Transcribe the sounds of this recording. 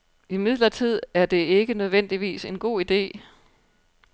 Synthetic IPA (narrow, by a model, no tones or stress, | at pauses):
imiðˠlɐt͡sʰið̞̰ˠæɐd̥e̝e̝ɡ̥ənøð̞ˠʋen̰d̥iʋḭːse̝nɡ̥o̝̰ːid̥e̝̰ː